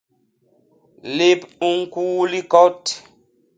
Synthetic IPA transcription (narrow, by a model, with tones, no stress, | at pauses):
le˦pu˦ŋ̩˦kuː˦li˦kɔ˦t